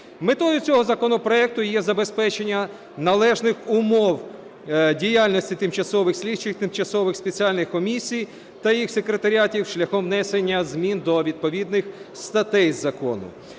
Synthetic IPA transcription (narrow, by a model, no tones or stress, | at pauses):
met̪ɔjʊt͡sʲɔɦɔzɐkɔnɔpɾɔɛk̚t̪ʊjɛzɐbe̞spɛt͡ʃenʲːɐ | nɐlˠɛʒnɪxʊmɔw | dʲijalʲnɔsʲtʲit̪ɪmt͡ʃɐsɔʋɪxsʲlʲidt͡ʃɪxt̪ɪmt͡ʃɐsɔʋɪxspet͡sʲialʲnɪxkɔmʲisʲij | t̪ɐjixsekɾet̪ɐɾʲiatʲiwʃlʲɐxɔmʋnɛsenʲːɐzmʲind̪ɔʋʲid̪̚pɔʋʲid̪̚nɪxst̪ɐt̪ɛjzɐkɔ̰nʊ̰